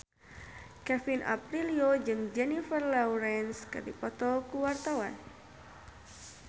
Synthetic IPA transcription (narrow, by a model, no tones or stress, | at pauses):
kɛfinʔa̰pɾiliod͡ʒɨŋd͡ʒɛnifərlawɾɛnska̰dḭpɔt̪ɔkuwart̪awan